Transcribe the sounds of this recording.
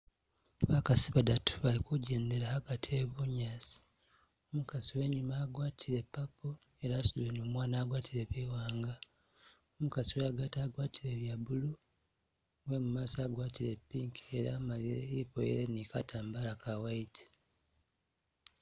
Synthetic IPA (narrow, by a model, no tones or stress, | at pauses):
βakaziβadatʰu̥βalikuɟe̞ːnde̞ɾahaɡatʰieβuɲazi̥ | omukaziwe̞ːɲumaːɡwaːtʰiɾe̞pːapo | e̞ɾaːsuduenoːmwaːnaːɡwaːtiɾeβiwaːŋɡa | omukaziweaɡataːɡwaːtiɾe̞βjabulu | we̞mumaːsaːɡwaːtiɾe̞pːiːŋkeɾa̰ːmaliɾḛipo̰jḛɾenikatʰaːmbalakawaitʰi̥